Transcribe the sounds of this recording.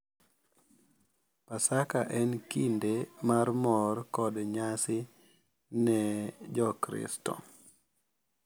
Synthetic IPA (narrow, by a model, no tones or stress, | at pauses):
pasakaʔɛnkindemarmɔrkɔdɲasɪ | nɛd͡ʒɔkɾɪ̰stɔ̰